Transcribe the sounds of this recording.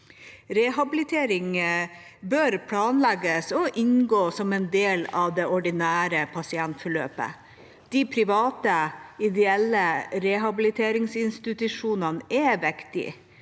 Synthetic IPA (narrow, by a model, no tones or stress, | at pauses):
ɾɛɦɑbɪlɪt̪ʰeːɾɪŋ | bøɾpʰlɑːnlɛɡəsɔʔɪnɡoːsɔmɛnd̪eːlɑʋd̪ɛʔɔɖɪnæːɾəpʰɑsɪɛnt̪fɔɭø̰ːpə̰ | d̪̥ipʰɾɪʋɑːt̪əɪd̪ɛɛlːəɾɛɦɑbɪlɪt̪ʰeːɾɪŋsɪnst̪ɪt̪ʉʂuːnənɛʋɛkt̪ɪ̰